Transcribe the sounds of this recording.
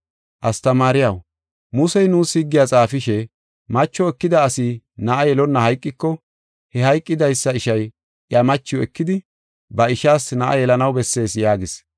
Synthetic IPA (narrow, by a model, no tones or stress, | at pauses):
ʔɐst̪ɐmaːɾɪjɐw | mʊsɛjnuːshɪɡːɪjat͡sʼaːfɪʃɛ | mɐt͡ʃːɔɛkːɪd̪ɐːsɪ | nɐʔɐjɛlɔnːɐhɐjkʼːɪkːɔ | hɛhɐjkʼːɪd̪ɐjsːɐɪʃɐj | ʔjamɐt͡ʃːɪjwɛkːɪd̪ɪ | bɐɪʃaːsnɐʔɐ̰jɛlɐnɐwbɛsːe̞ːsjaːɡɪs